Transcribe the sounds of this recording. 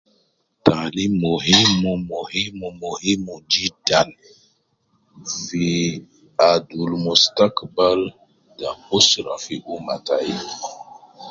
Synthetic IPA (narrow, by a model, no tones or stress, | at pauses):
tanimoɦimumohimumohimud͡ʒid̥an | fi | adulmustakbal | dabusɾafiʔumataj